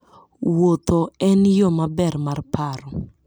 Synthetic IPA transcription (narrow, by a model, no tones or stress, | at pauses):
wot̪ɔɛnjomabɛrmarpʰaɾɔ